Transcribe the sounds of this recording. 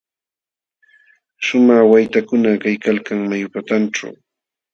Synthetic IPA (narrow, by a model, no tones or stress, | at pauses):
ʃʊmaχwajt̪akʊnakajkalkaŋmajʊpat̪anʈ͡ʂa̰w